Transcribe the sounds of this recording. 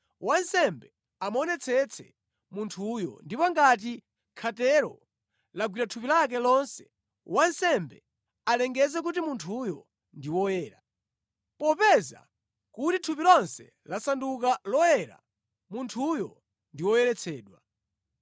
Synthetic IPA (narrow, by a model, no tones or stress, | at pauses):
wansɛmbɛ | amɔnɛt͡sʰɛt͡sʰɛ̰ | muntʰujɔ̰ndipɔŋɡat̬i | kʰatɛɾɔ̰ | laɡwiɾatʰupilak̬ɛlɔnsɛ̥ | wansɛmbɛ | alɛŋɡɛzɛk̬utimuntʰujɔ | ndiwɔjɛːɾa̰ | pɔpɛza̰ | kutitʰupilɔnsɛ | lasandukalɔjɛɾa̰ | muntʰujɔ̰ | ndiwɔjɛɾɛt͡sʰɛːɗwa